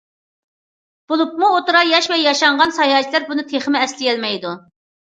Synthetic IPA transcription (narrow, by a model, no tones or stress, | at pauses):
b̥olˠup̚muot̪uɾɑjɑʃvɛjɑʃɑɴʁɑnsɑjɑːt͡ʃʰilæɾbunɨt̪ʰeχɪmɪɛslɪjʲɛlmɛjd̪u